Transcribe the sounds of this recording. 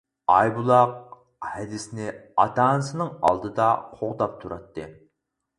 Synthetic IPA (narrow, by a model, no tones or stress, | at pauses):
ɑjbulˠɑq̚ | hɛd̪ɪsnɪɑ̰t̪ʰɑːnɨsɨnɨŋɑ̰lˠd̪ɨd̪ɑqʰoʁd̪ɑp̚t̪ʰuɾɑt̪ːɨ